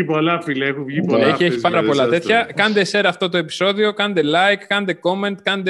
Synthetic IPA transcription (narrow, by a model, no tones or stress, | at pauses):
ipolɐfilɐexovʝipeçieçi̥pɐɾɐpo̞lɐt̪e̞t̪çɐkɐnd̪e̞se̞ɾɐɐft̪o̞t̪o̞epi̥so̞ðio̞kɐnd̪e̞lɐjkːɐnd̪e̞ko̞me̞nt̪kɐnd̪e